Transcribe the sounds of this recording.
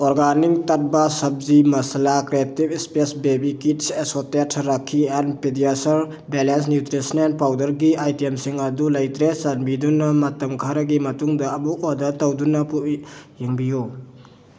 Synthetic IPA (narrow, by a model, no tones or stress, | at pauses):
ɔɾɡanik̚tat̚bɐsɐb̚zimɐsɐlakɾietibispesbebikit̚sesotetʰɾakʰːiɛnpedijasɐɾ | belens̬njutɾisɐnen̚pawdɐɾɡiajtiemsiŋɐdulɐjtɾesanbidunːɐmɐtɐmkʰaɾɐɡimɐtuŋdɐːbuɔdɐtɐwdunɐpuʔjeŋbiju